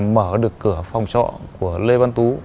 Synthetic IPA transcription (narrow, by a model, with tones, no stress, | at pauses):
məː˧˩ɗɨ˨˩əkːɨ˧˩əfa˨˩wŋ͡mt͡ɕɔ̰˧˨ku˧˩əle˧va˧nt̪u˨˦